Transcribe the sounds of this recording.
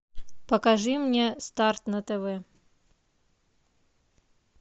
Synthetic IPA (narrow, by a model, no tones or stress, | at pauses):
pɐkaʐɨmnʲɛst̪art̪nɐt̪ɛvɛ